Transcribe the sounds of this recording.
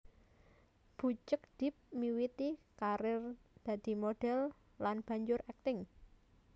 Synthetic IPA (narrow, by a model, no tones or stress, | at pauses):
b̥ṳt͡ʃək̚d̪̥ɪ̤p̚miwit̪ikaɾɪrd̪̥ä̤d̪̥i̤moɖ̥ɛ̤l | lanb̥ä̤ɲd͡ʒʊɾɛk̚t̪ɪŋ